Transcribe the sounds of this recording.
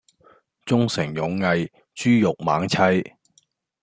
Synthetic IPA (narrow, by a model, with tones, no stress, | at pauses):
t͡sʊ˥ŋsɪ˨˩ŋjʊ˨˧ŋːɐ˧j | t͡ʃyː˥jʊ˨k̚ma̰ː˨˥ŋt͡sʰɐ˥j